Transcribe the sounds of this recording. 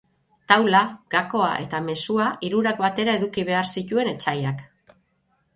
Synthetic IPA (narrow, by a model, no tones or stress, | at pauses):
t̪awlaɡ̥ako̞a̰ʔe̞̰t̪ame̞suaʔiɾuɾakbat̪e̞ɾae̞ðukiβe̞aɾsit̪ue̞ne̞t͡ʃajak